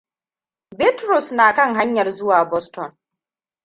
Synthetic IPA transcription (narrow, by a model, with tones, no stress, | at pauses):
bɪ˦tɾʊ˨snaː˨kɐ˦ŋɦa˦ɲjɐ˨rzʊ˦waː˨bɔ˦stɔ˨n